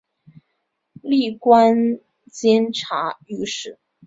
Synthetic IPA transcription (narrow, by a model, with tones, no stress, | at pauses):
li˥˩kwa˥n | t͡ɕjɛ˥nʈ͡ʂʰa̰˧˥y˥˧ʂɻ̩˥˩